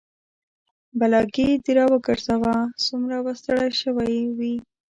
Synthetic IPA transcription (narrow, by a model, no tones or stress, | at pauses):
balɑɡid̪iɾɑwəɡəɾsawasumɾawast̪aɽajʃəwajwi